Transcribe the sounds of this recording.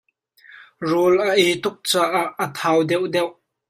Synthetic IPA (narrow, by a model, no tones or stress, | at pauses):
rɔːlʔɐʔɛjt̪ʊk̚t͡saːʔaʔːət̪ʰaːwd̪ɛwʔd̪ɛwʔ